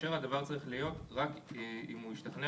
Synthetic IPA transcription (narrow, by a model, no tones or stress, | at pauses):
eʁhad̪avaʁt͡saʁiχlijo̞tʁakimujiʃt̪aχne